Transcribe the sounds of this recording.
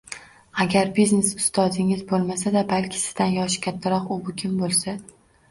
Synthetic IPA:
aɡʲaɾbizne̞sʊst̪ʰɒd̪ɪŋɪzbolˠmasad̪abalkʲʰɪ̥sɪ̥zd̪anjɒʃkʲʰat̪ʰːaɾɒqʊbʊkʲʰɪmbolˠsa

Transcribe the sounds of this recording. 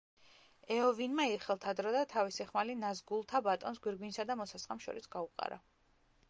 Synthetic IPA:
ɛɔvinmaiɾχɛlˠt̪ʰad̪ɾɔd̪at̪ʰavisiχmalinazɡulˠt̪ʰabat̪ʼɔnsɡwiɾɡwinsad̪amɔsasχʼamʃɔ̰ɾisɡauqʼa̰ɾa̰

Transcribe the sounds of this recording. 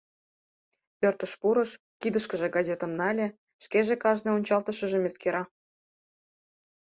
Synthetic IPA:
pørt̪ə̆ʃpuɾɤʃ | kid̪əʃkəʒĕɡɑzʲet̪ə̆mnɑlʲe | ʃkeʒekɑʒneonʲt͡ɕɑlt̪əʃə̆ʒemʲeskeɾɑ

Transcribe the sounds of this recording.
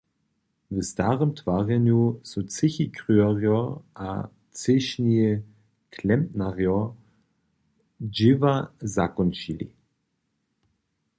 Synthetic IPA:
vəstaʁəmtʰv̥aʁjɛnjusot͡sɪçikʁyɐʁjɔʔa̰ | t͡sɪʃniə | kʰlɛmpnaʁjɔ | d͡ʒɪvazakɔnt͡ʃilḭ

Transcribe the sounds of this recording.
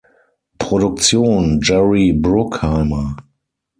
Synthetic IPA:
pʁ̥odʊk̚t͡sjoːnd͡ʒɛɹibʁʊkhaɪmɐ

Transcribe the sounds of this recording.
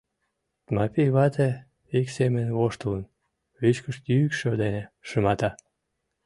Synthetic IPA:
t̪mɑpʲijβɑt̪e | eksemənβoʃt̪ulən | βyt͡ɕkə̆ʃt̪jyykʃød̪eneʃəmɑt̪ɑ

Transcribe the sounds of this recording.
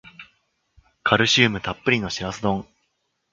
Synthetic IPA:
kʰaɾɯ̟ɕɨːmɯ̟t̪apːɯ̟ɾʲino̞ɕiɾasɨd̪õ̞ŋ

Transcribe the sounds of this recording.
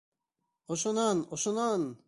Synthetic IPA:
oʃonanoʃonan

